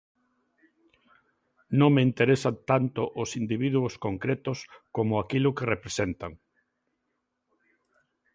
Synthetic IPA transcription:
nõŋmeint̪eɾesat̪ant̪ʊʔʊsind̪iβ̞iðuʊskoŋkɾet̪ʊskomʊakilʊkerepɾesent̪aŋ

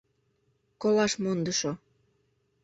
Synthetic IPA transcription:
kolɑʃmond̪əʃo

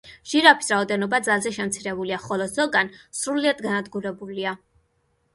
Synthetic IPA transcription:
ʒ̥iɾapʰi̥sɾaɔd̪ɛnɔbad̪zalˠzɛʃɛmt̪sʰiɾɛbuliaχɔlˠɔz̥ɔɡansɾuliad̪ɡanad̪ɡuɾɛbulia

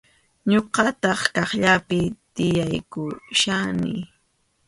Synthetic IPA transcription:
ɲoqɑt̪ɑχkɑχʎapɪt̪ɪjajkʊʃanɪ̰

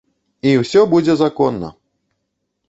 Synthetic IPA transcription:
iwsʲɔbud͡zʲɛzakɔnːɐ̰

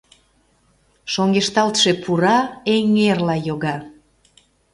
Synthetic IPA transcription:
ʃoŋɡeʃt̪ɑlt̪ʃepʰuɾɑeŋerlɑjoɣɑ

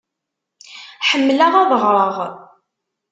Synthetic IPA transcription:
ħəmːlæʁɑðˤəʁɾˤəʁ

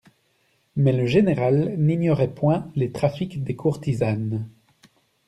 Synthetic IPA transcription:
mɛləʒeneʁalniɲjɔʁɛpwɛ̃let̪χafikd̪ekʰuʁt̪izan

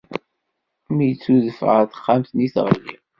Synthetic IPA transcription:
mijət͡sːuðəfʁəθχːamθniθʁə̰lːḭʁ

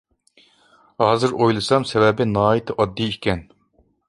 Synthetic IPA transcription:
hɑːzɨɾojlˠɨsɑmsɛvɛbɪnɑːit̪ʰɨʔɑd̪ːiikʲɛn

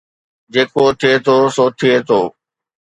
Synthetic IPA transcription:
d͡ʑeːkot̪ʰɪet̪ʰoːsoːt̪ʰːɪet̪ʰoː

